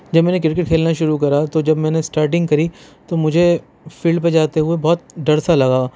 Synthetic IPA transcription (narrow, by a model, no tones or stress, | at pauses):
d͡ʒɐbmɛ̃ːnẽk̬ɾɪɾkɪʈ̚kʰeːlnaʃʊɾukɐɾat̪od͡ʒɐbmɛ̃ːnesʈaːɾʈɪ̃ŋɡkɐɾit̪omʊd͡ʒʱe | fiːlɖ̚ped͡ʒaːt̪eɦʊebɔːt̪̚ɖɐɽsalɐɡaː